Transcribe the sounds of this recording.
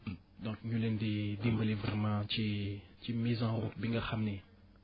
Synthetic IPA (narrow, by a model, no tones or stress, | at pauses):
d̪ɔ̃kɲulendid̪imbəlivʁɛmãt͡ʃit͡ʃimizãɾutbiŋɡaxamne